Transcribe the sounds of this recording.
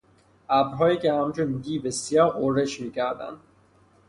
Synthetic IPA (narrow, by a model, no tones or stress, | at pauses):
æbɾɦɒːikehæmt͡ʃund̪iːbesijɒːɾʔoɾeʃmiːkʰæɾd̪æ̰nd̪